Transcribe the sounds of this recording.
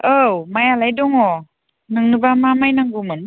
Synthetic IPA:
ɯwmajalajdɔŋɔ | nɯŋnɯbamamajnaŋɡumɯn

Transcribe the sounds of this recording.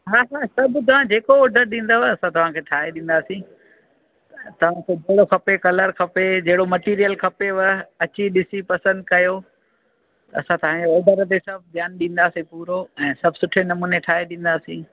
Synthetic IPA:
ɦaːɦaːsɐbʱt̪̬ɐʋ̤ãd͡ʑeːkooːɖʱəɾɗĩːn̆d̪oʋɐsãt̪ɐʋ̤ãkʰeːʈʰaːɦeɗĩːn̆d̪aːsĩ | t̪ɐʋ̤ãkʰeːd͡ʑeɦɪɽoxʰɐpekɐləɾkʰɐped͡ʑɐɦɪɽomɐʈiːɾijəlkʰɐpeʋɐɐt͡ɕiɗɪsipɐsə̃nd̪̚kɐjo | t̪ɐɐsãt̪ɐʋ̤ãɲd͡ʑeoːɖʱəɾt̪̬esɐbʱd̪ʱjaːnɗĩːn̆d̪aːsĩpuːɾoɛ̃ːsɐbʱsʊʈʰenɐmuːneʈʰaːɦeɗĩːn̆d̪aːsĩː

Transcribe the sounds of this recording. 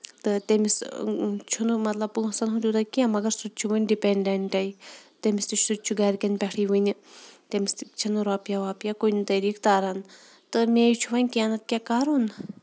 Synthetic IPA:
t̪ɨt̪emist͡ʃʰunumɐt̪lɐb̚pusɐnɦud̪ʲuːt̪ɐkiamɐɡɐɾsut̪t͡ʃʰuʋənʲɖipeɳɖɐɳʈɐit̪emist̪it͡ʃʰsut̪t͡ʃʰuɡaːɾkʲɐnpʲɐʈʰiʋənʲt̪emist͡ʃʰɐnuɾaːpjaʋaːpijakojnt̪ɐɾiːkt̪aːɾɐn | t̪ɨmeːjt͡ʃʰuʋɐnʲkʲiaːnɐt̪̚kʲakaːɾun

